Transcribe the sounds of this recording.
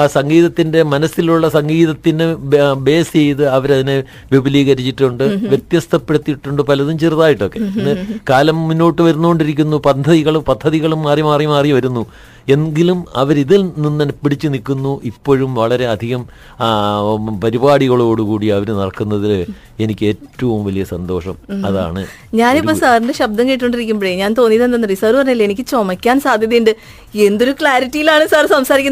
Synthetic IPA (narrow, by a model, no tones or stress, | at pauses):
sɐŋɡiːðɐt̪ːinde̞mɐnɐsiluɭːɐsɐŋɡiːðɐt̪ːinɨbe̞ːst͡ɕe̞jt̪ɨɐʋɐɾɐðine̞ | ʋibɐliːɣɐɾit͡ɕːiʈːuɳɖɨʋje̞t̪jɐst̪ʰɐpːeɽut̪ːiʈːuɳɖɨpɐlɐðumt͡ɕerðaːjiʈːo̞kːe̞nːɨkaːlɐmmunːo̞ːʈːɨʋɐɾunːuɣoɳɖiɾikʲːunːupɐd̪ʱɐðiɣɐɭumpɐd̪ʱːɐðiɣɐɭumːaːrjiɐmaːrjmaːriʋɐɾunːu | e̞nɡilumɐʋɐɾiðilninːɐnpiɽit͡ɕːɨnikːunːuʔipːo̞ːɻumʋɐɭɐɾe̞ɐd̪ʱiɣɐm | pɐɾibaːɽiɣɐɭo̞ːɽukuːɽiɐʋɐɾnɐɽɐkːunːɐðil | e̞nikʲːe̞ːtːɐʋumʋɐlijɐsɐnd̪o̞ːʂɐmɐða̰ːɳɨ | ɲaːnipːoːsaːrindeɕɐb̚d̪ɐŋkiːʈːko̞ɳɖiɾik̬ʲːumbeɻeɲaːnt̪o̞ːnːiðenɐnːɐrisaːrɨpɐrɐɲːeɐlːɐenikʲːɨt͡ɕomɐkʲːaːnsaːd̪ʱjɐðjnɖɨ | e̞nd̪o̞ɾukɭaːɾiʈːijilaːɳɨsaːrsɐmsaːɾikʲːn